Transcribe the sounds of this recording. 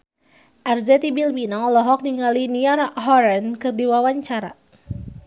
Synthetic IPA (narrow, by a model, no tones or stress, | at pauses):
ʔarzɛt̪ibilbinɔlɔɦɔk̚niŋɡaliniarɦɔɾɛnkɨrdiwawaɲt͡ʃaɾa̰